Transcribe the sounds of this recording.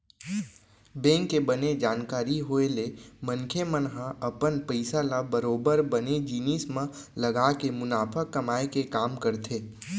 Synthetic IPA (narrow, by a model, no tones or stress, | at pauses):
bɛ̃ːŋkːebəned͡ʒaːnkaːɾiɦoelemə̃nkʰemənɦãʔɐpənpəɪsalabɐɾoːbəɾbəned͡ʒiːniːsmã | lɐɡaːkemʊnaːpʰəkːɐmaːekekaːmkɐɾt̪ʰeː